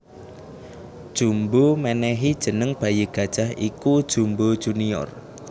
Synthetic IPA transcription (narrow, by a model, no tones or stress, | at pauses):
d̥ʒ̥ṳmbomɛnɛɦid̥ʒ̥ə̤nəŋb̥a̤jəɡ̥a̤d̥ʒ̥aɦikud̥ʒ̥umbo̥ʒ̥uniɔ̰r